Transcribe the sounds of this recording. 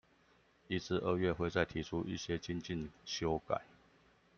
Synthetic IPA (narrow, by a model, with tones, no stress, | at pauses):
i˦t͡sʰɹ̩˥˧ʔə˥˧ɥɛ˥˨xwe˥˧ɪt͡sa˥˩ɪt̪ʰi˨˧˥ʈ͡ʂʰu˦˥ʔḭ˥˩ɕjɛ˦t͡ɕi˥nt͡ɕi˥˨nɕjo˦˥ʊka̰˨˩˦ɪ